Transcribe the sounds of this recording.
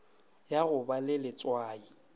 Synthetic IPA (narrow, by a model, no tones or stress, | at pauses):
jaɣʊbalɪlɪt͡sʼwaːi